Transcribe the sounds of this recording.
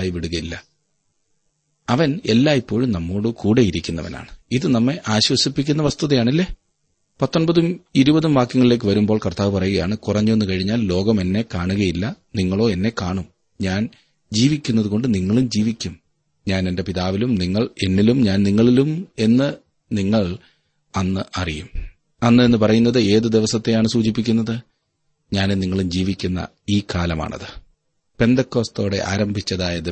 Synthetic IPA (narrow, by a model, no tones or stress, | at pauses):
aːjiʋiɽuɣɐjilːɐ | ɐʋɐne̞lːaːipːo̞ːɻumnɐmːo̞ːɽɨkuːɽe̞jiɾikʲːunːɐʋɐ̰na̰ːɳɨiðɨnɐmːe̞ʔaːɕwɐsipːikʲːunːɐʋɐst̪uðɐjaːɳilːe̞ː | pɐt̪ːonbɐðumiɾubɐðumʋaːkːjɐŋɐɭile̞ːk̬ːɨʋɐɾumbo̞ːɭkɐrt̪aːʋɨpɐrɐjuɣɐjaːɳɨkurɐɲːue̞nːɨkɐɻiɲːaːllo̞ːɡɐme̞nːe̞kaːɳuɣɐjilːɐniŋːɐɭo̞ːe̞nːe̞kaːɳum | ɲaːn | d͡ʑiːʋikʲːunːɐðuko̞ɳɖɨniŋːɐɭumd͡ʑiːʋikʲːum | ɲaːne̞nde̞piðaːʋilumniŋːɐɭe̞nːilumɲaːnniŋːɐɭilume̞nːɨ | niŋːɐɭ | ɐnːɨʔɐrijum | ɐnːɨe̞nːɨpɐrɐjunːɐðɨe̞ːðɨd̪eʋɐsɐt̪ːe̞jaːɳɨsuːt͡ɕip̬ːikʲːunːɐðɨ | ɲaːnuniŋːɐɭumd͡ʑiːʋikʲːunːɐ̰ | iːkaːlɐma̰ːɳɐ̰ðɨ | pe̞nd̪ɐkːoːst̪o̞ːɽe̞̰ʔa̰ːɾɐmbʱit͡ɕːɐðaːjɐðɨ